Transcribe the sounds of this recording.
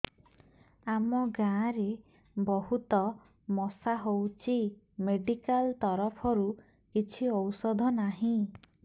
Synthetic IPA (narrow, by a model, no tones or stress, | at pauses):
amɔɡãːɾe | bɔɦut̪ɔ | mɔsaɦowt͡ʃʰi | meɖikalt̪ɔɾɔpʰɔɾu | kit͡ʃʰiɔwsɔd̪ʱɔnaɦĩ